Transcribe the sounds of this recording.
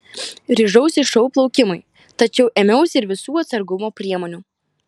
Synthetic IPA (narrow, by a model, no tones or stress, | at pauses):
ɾʲɪʒɐʊsʲɪʃɐʊplˠɒʊkʲɪmʊɪ | t̪ɐt͡ʃʲɛʊʔɛːmʲɛʊsʲɪɾʋʲɪsuːɐt̪sɐɾɡʊmoːpʲɾʲiɛmoːnʲuː